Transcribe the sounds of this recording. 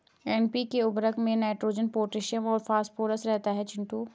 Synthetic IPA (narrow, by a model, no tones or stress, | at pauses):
ɛnpikeʊbɾəkmẽnaːɪʈɾoːd͡ʒənpoːɾʈɾɪʃijəmɔːɾfaːsʈfoːɾəsɾɛɦt̪aɦɛt͡ʃʰɪ̃ɳʈuː